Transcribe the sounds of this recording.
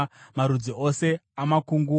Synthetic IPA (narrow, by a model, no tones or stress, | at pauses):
maɾud͡ziose̞amakuŋɡuː